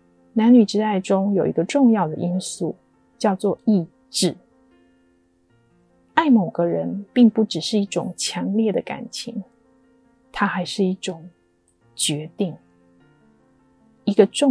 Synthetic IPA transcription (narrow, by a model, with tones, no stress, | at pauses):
na˧˥ny˨˩ʈ͡ʂɻ̩˥a˥˩ɪʈ͡ʂʊ˥ŋjo˨˩ʊi˧˥ɡə˧ʈ͡ʂʊ˥˧ŋjɑ˥˩ʊd̪ə̰˩ʔi˥nsu˥˩ | t͡ɕjɑ˥˧ʊt͡swɔ˥˧i˥˧ | ʈ͡ʂɻ̩˥˩ | a˥˩ɪmo˨˩ʊɡə˦ɻə˧˦npi˥˧ŋpu˥˩ʈ͡ʂɻ̩˨˩ʂɻ̩˥˧i˥˩ʈ͡ʂʊ̰˨˩ŋt͡ɕʰjɑ˧˥ŋljɛ˥˩d̪ə˩ka̰˨˩nt͡ɕʰi˧˥ŋ | t̪ʰa˥xa˧˥ɪʂɻ̩˥˧i˥˩ʈ͡ʂʊ˨˩ŋ | t͡ɕɥɛ˧˥t̪i˥˩ŋ | i˧˥ɡə˧ʈ͡ʂʊ˥˨